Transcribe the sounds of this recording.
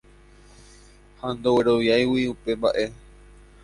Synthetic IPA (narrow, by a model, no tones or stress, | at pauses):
hand̪o̞we̞ɾo̞ʋjajwiupe̞mba̰ʔe̞